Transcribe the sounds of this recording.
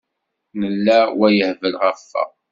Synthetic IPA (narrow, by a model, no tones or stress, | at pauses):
nəlːæwæjəhvəlʁæfːæ̰